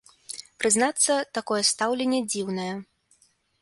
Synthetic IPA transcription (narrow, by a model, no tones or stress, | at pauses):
pɾɨznat̪sːɐt̪akɔjɛst̪awlʲenʲːɛd͡zʲiwn̪ɐjɛ